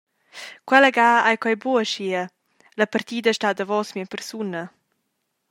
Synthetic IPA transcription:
kwɛləɡaːajkwajbuəʃiə | ləpaɾt̪iːd̪əʃtad̪əvɔsmiəpɛɾsunə

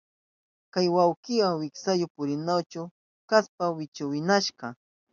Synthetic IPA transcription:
kajwawkɪwaŋwɪksajʊpʊɾɪnawt͡ʃʊ | kaspawɪt͡ʃʊwɪnaʃɢɑ

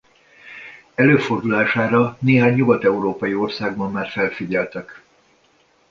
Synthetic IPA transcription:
ɛløːfo̞rd̪ulaːʃaːɾɒneːɦaːɲːuɡɒt̪ɛuɾoːpɒjio̞rsaːɡbɒmːaːrfɛlfiɟɛlt̪ɛk

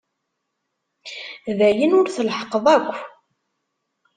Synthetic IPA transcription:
ðæjənʊɾθəlħəqːəðˤækʷː

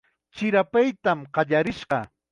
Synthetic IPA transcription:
t͡ʃɪɾapajt̪amɢɑʎaɾɪʃɢɑ

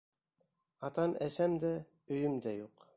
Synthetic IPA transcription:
ɑt̪ɑnæsæmd̪æ | ɵ̆jɵmd̪æjuq

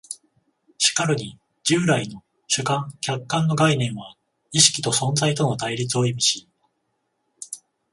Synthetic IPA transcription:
ɕi̥kaɾɯ̟ɲ̟i | d͡ʑɨːɾaino̞ | ɕɨkãŋkʲakːãnːo̞ɡainẽ̞ɰ̃βa | iɕi̥kʲi̥t̪o̞sõ̞nd͡zait̪o̞no̞t̪aiɾʲit͡sɨo̞imʲiɕi

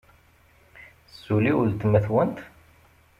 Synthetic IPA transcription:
sːuliʊlt̪mæθwənt̪

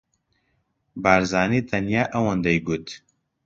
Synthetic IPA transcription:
baːɾzaːniːt̪ʰɐnjaːʔɐwɐnd̪ɐjɡut̪

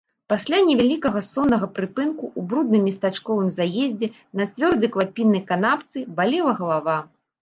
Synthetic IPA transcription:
pasʲlʲanʲɛvʲalʲikɐɣɐsɔnːɐɣɐpɾɨpɨnkuubɾud̪̚nɨmːʲist̪at͡ʂkɔvɨmzajezʲd͡zʲɛ | nɐt͡sʲvʲɔrd̪ɐjklˠapʲinːɐjkan̪apt̪sɨbalʲɛlˠɐɣɐlˠava

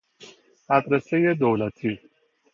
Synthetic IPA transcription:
at̪ʼɾɛsɛjɛd̪ɔwlat̪ʰi

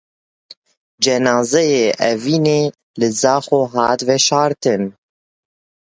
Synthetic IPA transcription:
d͡ʒɛnɑːzɛjeːʔɛviːneː | lɨzɑːxoːɦɑːt̪vɛʃɑːɾt̪ɨn

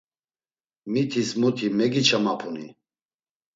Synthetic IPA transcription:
mit̪ʰismut̪ʰimɛɡit͡ʃʰamapʰuni

